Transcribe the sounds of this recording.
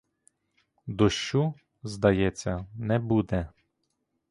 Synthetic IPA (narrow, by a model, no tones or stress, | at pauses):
d̪ɔʃt͡ʃu | zd̪ɐjɛt͡sʲːɐnɛbud̪ɛ